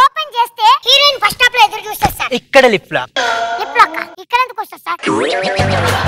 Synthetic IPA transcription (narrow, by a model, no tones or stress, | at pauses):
oːpɐnd͡ʒeːst̪eːhiːɾeːnpɐʂʈaːplɐed̪uɾt͡ʃuːst̪ɐsaːɾikːɐɽelipːla̰ːlipːlɐkːa̰ikːɐɽeɐnd̪ukoːst̪ɐsaːɾ